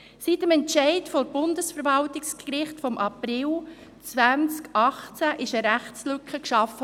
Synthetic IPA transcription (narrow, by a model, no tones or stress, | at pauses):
sitəmɛntt͡ʃɛɪtfɔɾb̥ʊndəsfəɾvɑltɪkskɾɪχtfɔmʔɑprɪl | t͡svænt͡skɑχt͡sæʔɪʃəɾæχt͡slʏkχəkʃɑfə